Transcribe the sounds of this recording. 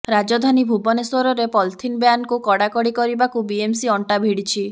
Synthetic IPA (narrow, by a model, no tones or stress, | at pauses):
ɾad͡ʒɔd̪ʱanibʱubɔneswɔɾɔɾepɔlt̪ʰinbjankukɔɽakɔɽikɔɾibakubiemsiɔɳʈabʱiɽit͡ʃʰi